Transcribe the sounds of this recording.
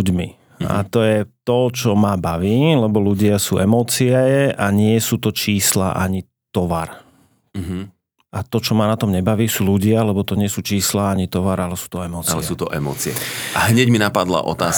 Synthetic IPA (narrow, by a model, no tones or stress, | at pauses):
uɟmi | a̰t̪ɔjɛt̪ɔt͡ʃɔmabaʋiːlɛbɔluɟɪasuːʔɛmɔːt͡siɛaɲɪɛsuːt̪ɔt͡ʃiːsla̰ʔaɲi | t̪ɔʋa̰ɾ | ɦ | ʔat̪ɔt͡ʃɔmanat̪ɔmɲɛbaʋiːsuːluɟɪalɛbɔt̪ɔɲɪɛsuːt͡ʃiːslaaɲit̪ɔʋaɾalɛsu̥ːt̪ɔɛmɔːt͡slɛɛsuːt̪ɔʔɛmɔ̰ːt͡siɛ̰ʔaɦɲɛɟminapad̪la̰ʔɔ̰t̪aːs